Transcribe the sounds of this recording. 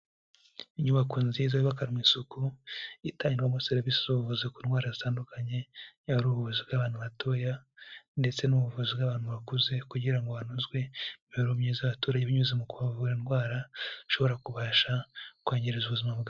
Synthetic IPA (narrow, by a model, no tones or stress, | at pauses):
iɲuβakuːnzizaβiβakaɾimwisukuitaːɲiwamoseɾivisizuβuvuzikuːnɡwaːɾazitaːndukaɲe̞auɾuβuβuzibɡaβaːn̥uβatʰo̞ːjande̞t͡se̞nuβuvuzibɡaβaːn̥huβakuze̞kuɟiɾaŋɡoanuzɡwe̞miɾumɲezaβatuːɾaɟeβiɲuzemukuβavuɾinɡwaːɾaʃo̞βo̞ɾakuβaːʃakwaːɲɟeɾizuβuzimaβɡa